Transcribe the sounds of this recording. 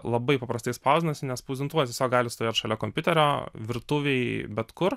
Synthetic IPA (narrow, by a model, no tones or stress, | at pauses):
lˠɐbɐɪpɐpɾɐst̪ɐɪspɐʊzʲd̪ʲɪnɐsʲɪnʲɛspuːzʲɪnt̪uːtʲeɛsʲoːk̚ɡɑːlʲɪst̪oʋeːt̪ʃɐlʲɛkoːmʲpʲʊt̪ʲɛɾʲoːʋʲɪɾt̪ʊʋʲɛɪbʲɛt̪kʊr